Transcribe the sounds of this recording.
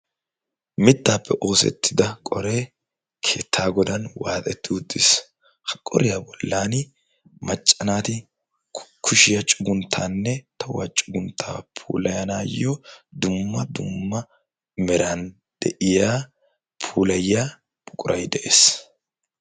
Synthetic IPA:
mɪt̪ːaːpːɛʔo̞ːsɛ̰t̪ːɪd̪ɐkʼɔɾe̞ː | kʰeːt̪ʰːaːɡɔd̪ɐnwaːt̪ʼɛt̪ːɪʊd̪ːɪs | hɐ̥kʼːɔ̰ɾɪjaːbɔlːaːn | mɐt͡ʃʼːɐnaːt̪ɪ | kʰʊʃɪjɐt͡ʃʼʊɡʊnt̪ʰːaːnːɛt̪ʰɐwat͡ʃʼʊɡʊnt̪ʰːa̰ːpʰṵːlɐjɐnaːjːɔd̪ʊmːɐd̪ʊmːɐ | mɛɾɐn | d̪̥ɛʔɪjaː | pʰuːlɐjjaː | b̥ʼʊkʼʊɾʔɐjd̪ɛʔe̞ːs

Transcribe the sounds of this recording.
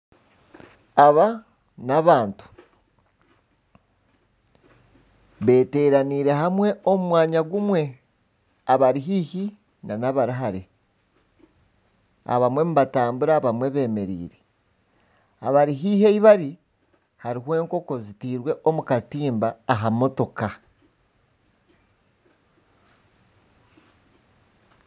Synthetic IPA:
aβa | naβaːntu̥ | βe̞ːte̞ːɾaniːɾe̞ɦamwe̞o̞mumwaːɲaɡumwe̞ | aβaɾiɦiːçi | nanaβaɾaɦaɾe | a̰βamwe̞muβataːmbuɾaːβamwe̞βe̞ːme̞ɾḭːɾe̞ | aβaɾiɦiːheiβaɾi | haɾiɦwe̞ːŋko̞ko̞zitiːɾwe̞ʔo̞mukatiːmbaːɦamo̞to̞ka

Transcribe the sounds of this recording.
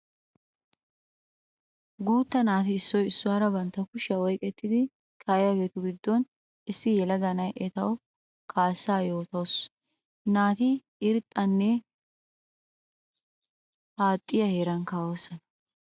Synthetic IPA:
ɡuːt̪ːɐnaːt̪ɪɪsːɔjɪsːʊaːɾɐbɐnt̪ːɐkʊʃɐwɔjkʼːɛt̪ːɪd̪ɪ | kʰɐjjɐɡeːt̪ʊɡɪd̪ːɔn | ɪsːɪjɛlɐd̪ɐnɐjʔɛt̪ɐw | kʰaːsːaːjo̞ːt̪ɐws | naːt̪ɪ | ɪɾt̪ʼːɐnːɛ | haːt̪ʼːɪjɐheːɾɐŋkaːwosɔnɐ

